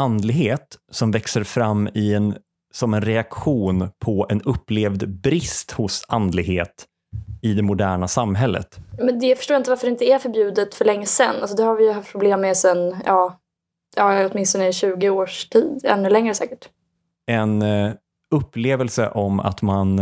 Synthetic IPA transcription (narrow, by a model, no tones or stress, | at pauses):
and̪lɪɡɦeːt̪sɔmvɛksəɾfɾamːɪɛn | sɔmɛnɾɛakɧuːnpʰɔɛnɵpːleːvd̪bɾɪst̪hʊsand̪lɪɡheːt̪ | ɪd̪ɛmʊd̪æːɳasamːɦɛlːə̰t̪ːmɛnd̪ɛjfœʂʈoːjaɪnt̪əvaɾfœɖɪnt̪əd̪ɛæɾfœɾbjʉ̟ːd̪ət̪fœɭɛŋːəsɛ̰nːʔals̬ɔd̪ɛhaɾvɪjəɦaft̪pʰɾʊbleːmːesɛnjɑː | jɑːɔt̪mɪnst̪ɔnəɕʉ̟ːɡɪoːʂʈʰiːd̪ɛ̰nːɵlɛŋɾəsɛ̰ːkəʈ | ɛn | ɵpːleːvɛlsə̰ʔɔma̰t̪man